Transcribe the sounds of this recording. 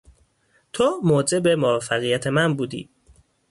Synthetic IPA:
t̪ʰomoːd͡ʒe̞be̞movæfːæɣijæt̪ʰe̞mænbuːd̪ḭː

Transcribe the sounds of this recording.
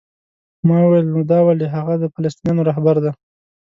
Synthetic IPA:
mɑwuwjelnod̪ɑwaliɦaɣad̪əfalast̪injɑnoɾɑɦbaɾd̪a

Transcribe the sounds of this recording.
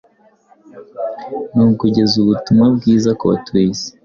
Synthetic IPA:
nukuɟe̞zuβutumabɡiːzakoβa̰twiːze̥

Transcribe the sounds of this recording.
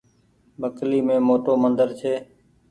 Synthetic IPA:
bəkliːmẽːmoːʈoːmənd̪əɾt͡ʃʰeː

